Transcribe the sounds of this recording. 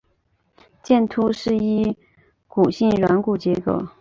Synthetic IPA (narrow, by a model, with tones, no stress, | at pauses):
t͡ɕjɛ˥˩nt̪ʰu˥ʂɻ̩˥˩i˥ | ku˨˩ɕi˥˩ŋɻwa˧˥nku˨˩t͡ɕjɛ˧˥kɤ̰˧˩˥